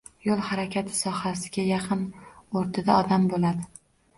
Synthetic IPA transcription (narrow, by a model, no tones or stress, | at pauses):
jolˠhaɾakʲʰat̪ʰɪ̥sɒhasɪɡʲajɑqʰɨnoɾt̪ʰad̪aɒd̪ambolad̪ɪ